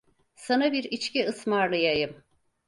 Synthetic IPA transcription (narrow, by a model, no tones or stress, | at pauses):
sanabiɾit͡ʃciɯsmaɾlˠɯjajɯm